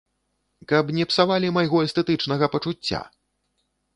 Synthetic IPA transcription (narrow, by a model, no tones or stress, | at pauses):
kɐpnʲɛpsavalʲimajɣɔɛst̪ɛt̪ɨt͡ʂnɐɣɐpɐt͡ʂut͡sʲːa̰